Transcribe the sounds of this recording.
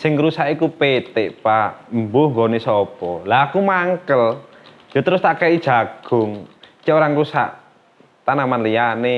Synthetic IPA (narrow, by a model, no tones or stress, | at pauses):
sɪŋɾusaʔikupet̪eʔpambʊhŋɡonesɔpɔlaːkumaŋkəl | jot̪əɾʊst̪akaid̥ʒ̥a̤ɡ̥ʊŋt͡ʃɛʔoɾaŋɾusa̰ʔ | t̪anamanlijane